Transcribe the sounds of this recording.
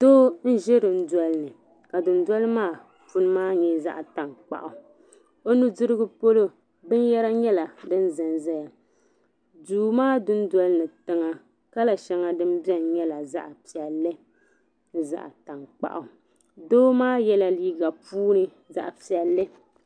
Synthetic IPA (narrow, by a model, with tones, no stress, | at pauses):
d̥oː˦n̩˦ʒɛ˦ɾɨ˨n̩˦da˦lɨ˦nɨ˨ | ka˨dʊ˨n˦da˦lɨ˦maː˦˨ | fu˦nɨ˦maː˦ɲɛ˦za˦˨ʔa˨ta˨ŋk͡pa̰˨ʔʊ˨ | o˦nu˦dʊ˦ɾɨ˦ɡɨ˦po˦lo˦ | bɨ˦n˦jɛ˦ɾa˦ɲɛ˦la˨dɨ˦n̩˦zɨ˨nzɛ˦ja˨ | duː˨maː˦dʊ˦n˦dwa˦lɨ˦nɨ˨tɨ˦ŋa˦ | ka˦la˨ʃɛ˦ŋa˨dɨ˦m˦bi˦ɛ˦n˨ɲɛ˦la˨za̰˦ʔa˨pi˨ɛ˨lːɨ˦ | n˦za̰˦ʔa̰˨ta˨ŋk͡pa̰˨ʔʊ˨ | doː˦maː˦jɛ˦la˦liː˦ɡa˨puː˦nɨ˦ | za̰˦ʔpi˨ɛ˨lːɨ˦